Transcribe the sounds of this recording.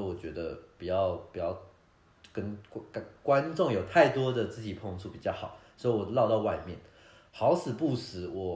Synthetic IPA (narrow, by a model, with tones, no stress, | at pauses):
i˨˩wɔ˨˩t͡ɕɥɛ˧˥d̪ə̰˧pi˨˩t͡ɕjɑ˥˩ʊpi˨˩t͡ɕjɑ˥˩ʊ | kə˥nkkwa˦nʈ͡ʂʊ˥˩ŋjo˨˩ʊt̪ʰa˥˩ɪt̪wɔ˥d̪ə˨t͡sɹ̩˥˩t͡ɕi˨˩pʰo˥˧ŋt͡sʰu˥˩pi˨˩t͡ɕjɑ˥˩ʊxɑ̰˨˩˦ʊsɔ˧˥i˨wɔ˨˩lɑ˥˧ʊt̪ɑ˥˧ʊwa˥˧ɪmjɛ˥˩n | xɑ˧˥ʊsɹ̩˨˩pu˥˩sɹ̩˧˦wɔ˨˩